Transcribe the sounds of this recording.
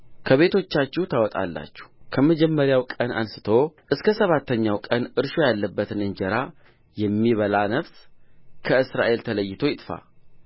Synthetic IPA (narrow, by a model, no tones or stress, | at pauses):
kʰəβe̞t̪ʰo̞t͡ʃːat͡ʃːɪht̪ʰawɔt̪ʼa̰lːa̰t͡ʃːɛ̥hkʰəməd͡ʒɛmːəɾjawkʼəna̰nsɨ̥t̪ʰo̞ʔɨskʰəsəβat̪ːəɲːawkʼənɨɾʃo̞jalːəbːət̪nɨnd͡ʒəɾa | jɛmːiβəlanəβskʰəɨsɾa̰ʔe̞lt̪ʰələjːɪt̪ʰo̞jɪt̪ʼfa̰